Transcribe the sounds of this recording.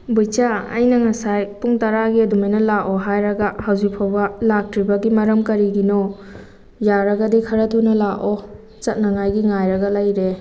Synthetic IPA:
bujt͡ʃaɐ̰jnɐŋɐsajpuŋtɐɾaɡiɐdumajnɐlaʔoɦajɾɐɡɐhawzipʰawbɐlak̚tɾibɐɡimɐɾɐmkɐɾiɡinɔ | jaɾɐɡɐdikʰɐɾɐtʰunɐlaʔo | t͡ʃɐt̚nɐŋajɡiŋajɾɐɡɐlɐjɾe

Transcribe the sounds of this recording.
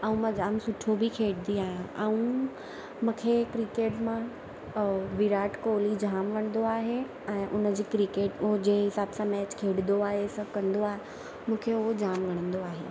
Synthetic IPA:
aːũmãd͡ʑaːmsʊʈʰobikʰeːɽd̪iaːɦijãʔaũ | mũːkʰekɾikeːʈmã | ʋiɾaːʈkoːlid͡ʑʱaːmʋɐɽ̃nd̪oaːɦe | ɛ̃ːʔʊnəd͡ʑiːkɾikeːʈʊɦod͡ʑeːɦɪsaːbsãmɛːt͡ɕkʰeːɽɪd̪oaːɦesɐ̃kɐ̃nd̪oaːɦe | mũːkʰeʊɦod͡ʑaːmɡʱɐɽ̃ə̃nd̪oaːɦḛː

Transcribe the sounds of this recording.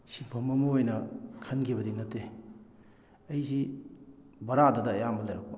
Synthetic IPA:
sibʰʱɐmɐmɐojnɐkʰɐnkʰibɐdinɐtːe | ɐjzi | bɐɾadɐdɐːjamɐlɐjɾɐk̚bɐ̰

